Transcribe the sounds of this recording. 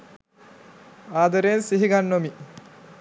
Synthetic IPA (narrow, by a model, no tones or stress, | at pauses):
aːd̪ɐɾeːnsiɦiɡanːomi